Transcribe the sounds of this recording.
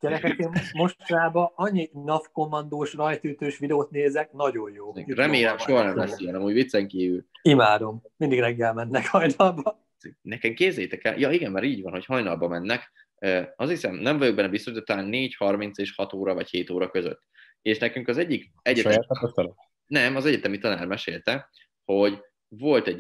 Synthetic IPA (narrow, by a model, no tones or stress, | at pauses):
ɟ̥ɛɾɛkɛkeːnmoʃtɾaːbɒɒɲːinɒfko̞mːɒnd̪oːʃrɒjt̪yːt̪øːʃʋid̪ɛoːt̪neːzɛk̚nɒɟo̞jjoːrɛmeːlɛmʃo̞ɦɒnɛmɛsiɒnɒmuːɟvit̪sɛŋkiːvylimaːd̪o̞mmind̪iɡɾɛɡːɛlmɛnːɛkhɒjnɒlbɒ | nɛkɛmkeːzɛjt̪ɛkɛ̰ljɒiɡɛmːɛɾiːɟvɒ̰nho̞chɒjnɒlbɒmɛnːɛk | øɒshisɛmnɛɱvɒjoɡ̚bɛnːɛbist̪oʃit̪ɔt̪ːɒlaːnːeːchɒrmint̪seːʃhɒt̪oːɾɒvɒcheːt̪oːɾɒkøzø̰t̪ː | eːʃnɛkyŋkɒzɛɟːik | ɛɟɛt̪ːt̪t̪n | nɛmɒzɛɟɛt̪ɛmit̪ɒna̰ːrmɛʃeːlt̪ɛ | ho̞ɟ | vo̞lt̪ɛɟ